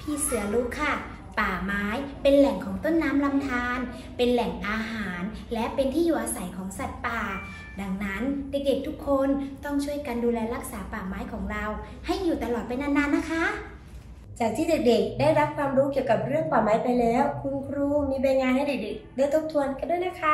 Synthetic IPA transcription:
pʰiː˧˩sɯ˨˩˦ɐlu˦˥kʰːa˧˥˩ | paː˨˩maː˦˥jpe˧nlɛ˨˩ŋkʰɔː˩˦ŋt̪o˥˩nːaː˦˥mla˧mt̪ʰaː˧n | pe˧nlɛ˨˩ŋʔaː˧ɦaː˩˦nlɛ˦˥pe˧nt̪ʰiː˥˩juː˨˩ʔaː˧sa˨˩˦jkʰɔː˩˦ŋsa˨˩t̪̚paː˨˩ | da˧ŋna˦˥nde˨˩k̚de˨˩k̚t̪ʰu˦˥kʰːo˧nt̪ɔ˥˩ŋt͡ɕʰu˥˩əjka˧nduː˧lɛː˧ɾa˦˥k̚saː˩˦paː˨˩maː˦˥jkʰɔː˩˦ŋɾa˧w | ha˥˩jːuː˨˩t̪a˧lɔː˨˩t̪̚pa˧jnaː˧˥nːaː˧˥nːa˦˥kʰa˦˥ | t͡ɕaː˨˩k̚t̪ʰiː˥˩de˨˩k̚de˨˩k̚daː˥˩jɾa˦˥p̚kʰwaː˧mɾuː˦˥ki˨˩əwka˨˩p̚ɾɯ˥˩əŋpaː˨˩maː˨˦jpa˧jlɛː˦˥wkʰu˧mkʰɾuː˧˩miː˧baː˧jŋaː˧nha˥˩jde˨˩de˨˩k̚dɯː˧˩t̪ʰo˦˥p̚t̪ʰu˧ənka˧ndu˥˩jna˦˥kʰa˦˥

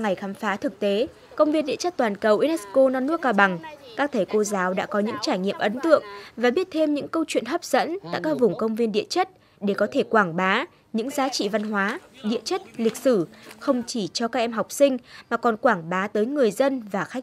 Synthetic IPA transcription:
ŋa˨˩jxaː˨˦mfaː˨˦t̪ʰɨ˨˩k̚t̪e˨˦ | kə˧wŋ͡mvi˧ənɗḭ˧˨ət͡ɕə˦˥t̚t̪waː˨˩nkə˨˩wʔi˧nɛ˦˥sko˧nɔ˧nːɨ˦˥ək̚ːaː˧ɓa˨˩ŋkaː˦˥k̚t̪ʰe˧˩ko˧zaː˨˦wɗa̰ː˧˥kɔ˨˦ɲɨ̰˧˥ŋt͡ɕaː˧˩jŋḭ˧˨əmʔə˨˦nt̪ɨ̰˧˨əŋvaː˨˩ɓi˦˥ət̚t̪ʰe˧mɲɨ̰˧˥ŋkə˧wt͡ɕwḭ˧˨nɦəː˦˥p̚z̥ə̰˧˥nt̪a̰ː˧˨jkaː˦˥k̚vʊ˨˩ŋ͡mkə˧wŋ͡mvi˧ənɗḭ˧˨ət͡ɕə˦˥t̚ | ɗe˧˩kɔ˨˦t̪ʰe˧˩kwaː˧˩ŋɓaː˨˦ | ɲɨ̰˧˥ŋzaː˨˦t͡ɕḭ˧˨va˧nɦwaː˨˦ɗḭ˧˨ət͡ɕə˦˥t̚lï˨˩k̟̚sɨ˧˩xə˧wŋ͡mt͡ɕi˧˩t͡ɕɔ˧kaː˦˥k̚ʔɛ˧mɦa˨˩wk͡p̚sï˧ŋ̟maː˨˩kɔ˨˩nkwaː˧˩ŋɓaː˨˦t̪əː˨˦jŋɨ˨˩əjzə˧nvaː˨˩xa˦˥k̚

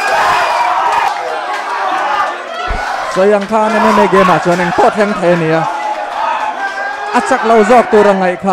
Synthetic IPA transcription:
t͡sɔ˨˦ja˨ŋt̪ʰaː˧˦nɛ˧˦nɛ˦me˧˨jɡɛ˨˦ma˨t͡su˨˦a˦nɛ˨ŋt̪ʰɔ˦˨t̪ʰɛ˧˦ŋt̪ʰɐ˨ja˧ni˨a˧˨ | ʔɐ˨t͡sa˧k̚lɐ˧wzɔ˦˨k̚t̪u˧ɾa˧ŋɐ˨jkʰaː˧

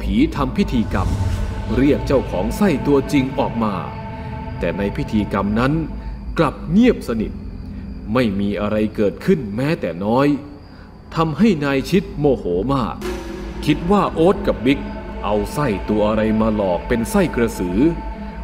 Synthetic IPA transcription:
pʰiː˩˦t̪ʰa˧mpʰi˦˥t̪ʰiː˧ka˧mɾi˥˩ək̚t͡ɕa˥˩wkʰɔː˩˦ŋsa˥˩jt̪u˧ɐt͡ɕi˧ŋʔɔː˨˩k̚maː˧ | t̪ɛː˨˩na˧jpʰi˦˥t̪ʰiː˧ka˧mna˦˥nkla˨˩p̚ŋi˥˩əp̚sa˧ni˨˩t̪̚ma˥˩jmiː˧ʔa˧ɾa˧jkɤː˨˩t̪̚kʰɯ˥˩nmɛː˦˥t̪ɛː˨˩nɔː˦˥j | t̪ʰa˧mha˥˩jnaː˧jt͡ɕʰi˦˥t̪̚moː˧hoː˩˦maː˥˩k̚ʰːi˦˥t̪̚waː˥˩ʔoː˦˥t̪̚ka˨˩p̚bi˦˥k̚ʔa˧wsa˥˩jt̪u˧ɐʔa˧ɾa˧jmaː˧lɔː˨˩k̚pe˧nsa˥˩jkɾa˧sɯː˩˦

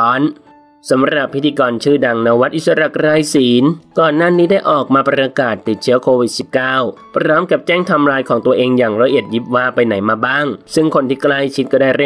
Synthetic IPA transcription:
ɔː˦˥n | sa˩˦mɾa˨˩pʰːt̪ʰiː˧kɔː˧nt͡ɕʰɯː˥˩da˧ŋna˧˥wa˦˥t̪̚ʔi˨˩t̪̚sa˧ɾa˨˩kɾaː˧jsiː˩˦nkɔː˨˩nːaː˥˩niː˦˥da˥˩jʔɔː˨˩k̚maː˧pɾaː˧kaː˨˩t̪ːi˨˩t̪̚t͡ɕʰɯ˦˥ɐkʰoː˧wi˨˩t̪̚si˨˩p̚kaː˥˩w | pʰɾɔː˦˥mka˨˩p̚t͡ɕɛː˥˩ŋt̪ʰa˧mɾaː˧jkʰɔː˩˦ŋt̪u˧ɐʔeː˧ŋjaː˨˩ŋɾa˧˥ʔi˨˩t̪̚ji˦˥p̚waː˧˥˩pa˧jna˩˦jmaː˧baː˥˩ŋsɯ˥˩ŋkʰo˧nt̪ʰiː˥˩kla˥˩jt͡ɕʰi˦˥t̪̚kɔː˥˩daː˥˩jɾe˥˩˨

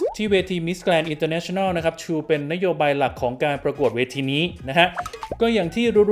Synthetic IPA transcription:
t̪ʰiː˥˩weː˧t̪ʰiː˧mi˦˥sklɛː˧nʔi˧nt̪əː˧nɛ˦˥t͡ɕʰo˥˧na˥˩wna˦˥kʰa˦˥p̚t͡ɕʰuː˧pe˧nːa˦˥joː˧baː˧jla˨˩kʰːɔː˩˦ŋkaː˧npɾa˧ku˨˩ət̪̚weː˧t̪ʰiː˧niː˦˥na˦˥kʰa˦˥ʔkɔː˥˩jaː˨˩ŋt̪ʰiː˥˩ɾu˦˥

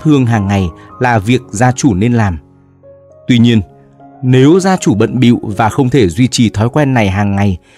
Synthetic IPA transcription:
hɨ˧əŋɦaː˨˩ŋːa˨˩jlaː˨˩vi˨˩ək̚zaː˧t͡ɕu˧˩ne˧nlaː˨˩m | t̪wi˧ɲi˧ən | ne˨˦wzaː˧t͡ɕu˧˩ɓə̰˧˨nɓḭ˧˨wvaː˨˩xə˧wŋ͡mt̪ʰe˧˩zwi˧t͡ɕi˨˩t̪ʰɔ˨˦jkwɛ˧nːa˨˩jɦaː˨˩ŋːa˨˩j

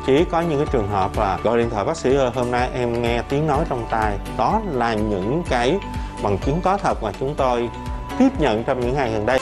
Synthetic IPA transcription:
t͡ɕi˨˦kɔ˨˦ɲɨ̰˧˥ŋkaː˨˦jt͡ɕɨ˨˩əŋɦəː˨˩p̚vaː˨˩ɣɔ̰˧˨jɗḭ˧˨nt̪ʰwaː˧˨˩ɓaː˦˥k̚sḭ˧˥ʔəː˧˩ɦo˧mna˧jʔɛ˧mŋɛ˧t̪i˨˦əŋno˨˦jt͡ɕɔ˧wŋ͡mt̪aː˧jɗɔ˨˦laː˨˩ɲɨ̰˧˥ŋkaː˨˦jɓa˨˩ŋt͡ɕɨ˨˦ŋkɔ˨˦t̪ʰə˨˩t̚maː˨˩t͡ɕʊ˨˦ŋ͡mt̪o˧j | t̪i˦˥əp̚ɲə̰˧˨nt͡ɕɔ˧wŋ͡mɲɨ̰˧˥ŋaː˨˩jɣə˨˩nɗə˧j

